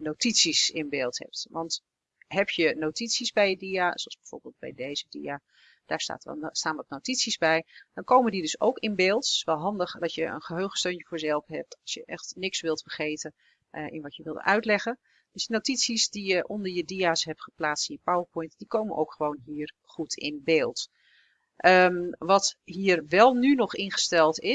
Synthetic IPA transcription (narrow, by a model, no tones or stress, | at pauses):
nowtitsisɪnbeːlˠthɛ̰p̚tʋɑnt | ɦɛpjənowtitsizbɛjədiasoɑsbɛjv̥o̰ːɹbeːlˠt̚bɛ̰jdejzədḭaː | d̥aːɹsta̰ːtstaːnʋɑtnowtitsizbɛjd̥ɑnkowməndidɵso̰wkɪnbeːlˠtʋɛlˠɦɑndəχd̥ɑtjəə̰nχəɦøɥχə̥støɥnəvʊːɹzɛlˠfəɦɛp̚tɑlˠsjə̰ʔɛxtnɪksʋɪlˠtfərχejtən | ɪ̰nʋɑtjəʋɪlˠdə̰nʔœɥtlɛχən | d̥øsdinotitsisdijəʔɔndəɹjədiaːsɦɛp̚tχə̥plaːtstɪnjəpawəɹpɔjntdikowmənʔo̰wkχəʋownɦiːr | χutʰɪ̰nbeːlˠt | ʔəʋɑtɦiːrʋɛlˠnynɔχɪnχə̥stɛlˠtɪ